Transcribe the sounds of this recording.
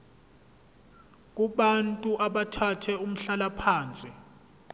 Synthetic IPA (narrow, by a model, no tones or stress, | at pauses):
k̬ʼuɓantʼuʔaɓatʰatʰɛum̩ɬalapʰaːnt͡sʼi